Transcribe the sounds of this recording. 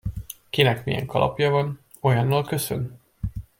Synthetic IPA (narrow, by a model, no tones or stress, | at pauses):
kinɛkmijɛ̰ŋkʰɒlʔɒ̰pjɒvɒn | o̞jɒnːɒlkø̞sø̰n